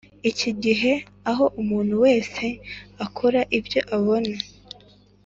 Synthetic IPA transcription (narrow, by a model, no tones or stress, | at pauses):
iciɟiɦe̞ | aɦo̞ʔumuːn̥huwe̞ːse̞akʰoɾaʔivjo̞ʔaβo̞na